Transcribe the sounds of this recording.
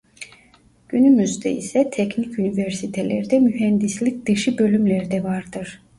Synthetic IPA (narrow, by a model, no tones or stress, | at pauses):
ɟ̥ynymyzd̪ɛ̰ḭsɛt̪ʰɛcnicynivæɾsit̪ʰelʲeɾid̪ɛmyɦɛnd̪islʲic̚d̪̥ɯʃɯbø̞lʲymlʲeɾid̪ɛvaɾd̪ɯɾ̥